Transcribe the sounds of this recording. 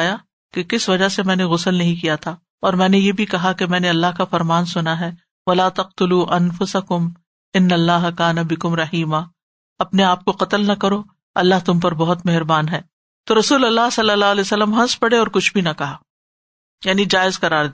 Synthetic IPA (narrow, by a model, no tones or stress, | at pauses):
ja | kekɪsʋɐd͡ʒaɦsemɛ̃ːneɣʊsəlnɐɦĩk̬ijat̪ʰaː | ɔːɾmɛ̃ːnejeːbʱikɐɦakemɛ̃ːneɐlːaɦkafɐɾmaːnsʊnaɦɛː | ʋɐlaːt̪ɐq̚t̪ʊluːʔɐnfʊsɐkʊm | ɪnːɐlːaːɦɐkaːnɐbɪkʊmɾɐɦiːmaː | ɐpneaːp̚koqɐt̪əlnɐkɐɾo | ɐlːaɦt̪ʊmpɐɾbɐɦʊt̪meɦɾbaːnɦɛː | t̪oɾɐsuːlɐlːaɦsɐlːɐlːaːleːsɐlːəmɦɐ̃nspɐɽeɔːɾkʊt͡ʃʰbʱinɐkɐɦaː | jaːnid͡ʒaːɪzqɐɾaːɾd̪